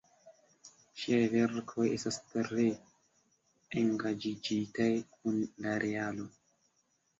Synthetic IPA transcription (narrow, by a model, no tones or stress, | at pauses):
ʃiajve̞ɾkʰo̞jʔe̞stastɾe̞ | eŋɡad͡ʒid͡ʒitajkunlaɾʔealo̞